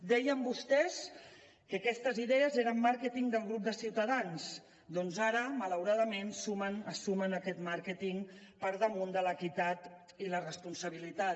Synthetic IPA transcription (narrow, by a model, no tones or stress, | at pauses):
d̪ɛjəmbust̪ɛs | kəkɛst̪əziðɛəzeɾəmːaɾkət̪iŋd̪əlˠɣɾup̚d̪əsiwt̪əðanz | d̪ɔnzaɾəmələwɾaðəmensumənəsumənəkɛt̪maɾkət̪iŋpəɾðəmund̪ələkit̪at̪ | ilərəspunsəβ̞ilit̪a